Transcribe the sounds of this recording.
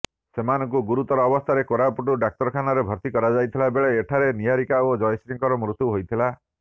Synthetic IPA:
semanɔ̃ŋkuɡuɾut̪ɔɾɔːbɔst̪ʰaɾekoɾapuʈuɖak̚ʈɔɾɔkʰanɔɾebʱɔɾt̪ikɔɾad͡ʒajt̪ʰilabeɭeːʈʰaɾeniɦaɾikaod͡ʒɔjsɾiŋkɔɾɔmɾut̪ːuɦojt̪ʰila

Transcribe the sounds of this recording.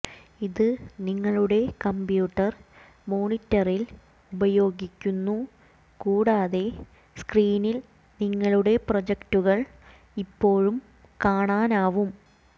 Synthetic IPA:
iðɨniŋːɐɭuɽe̞kɐmbjuːʈːɐr | mo̞ːnitːɐril | ubɐjo̞ːɡikʲːunːu | kuːɽaːðe̞ | skriːnil | niŋːɐɭuɽe̞prod͡ʑɐktuɣɐɭ | ipːo̞ːɻum | kaːɳaːnaːʋum

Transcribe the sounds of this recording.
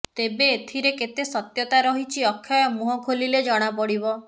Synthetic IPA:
t̪ebeːt̪ʰiɾeket̪esɔt̪jɔt̪aɾɔɦit͡ʃʰiɔkʰːjɔjɔmuɦɔkʰoliled͡ʒɔɽ̃apɔɽibɔ

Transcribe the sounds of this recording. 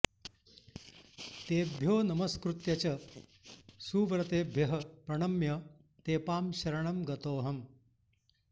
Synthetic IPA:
t̪eːbʱjoːnɐmɐskɾut̪jɐt͡ʃɐ | suːʋɾɐt̪eːbʱjɐɦɐpɾɐɳɐmjɐ | t̪eːpaːmʃɐɾɐɳɐmɡɐt̪oːɦɐm

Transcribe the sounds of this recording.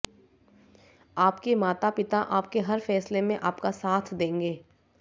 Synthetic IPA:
aːpkemaːt̪apɪt̪aʔaːpkeɦɐɾfɛːslemẽʔaːpkasaːt̪ʰd̪ẽːŋɡeː

